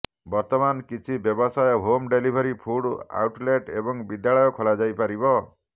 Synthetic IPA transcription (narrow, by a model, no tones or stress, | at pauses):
bɔɾt̪ɔmankit͡ʃʰibjɔbɔsajɔɦomɖelibʱɔɾipʰuɽa̰uʈleʈebɔŋbid̪jaɭɔjɔkʰolad͡ʒajpaɾibɔ